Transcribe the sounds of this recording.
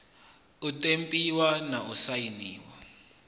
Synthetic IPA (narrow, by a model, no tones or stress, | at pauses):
utʼempʼiwanaʔusajiniːwa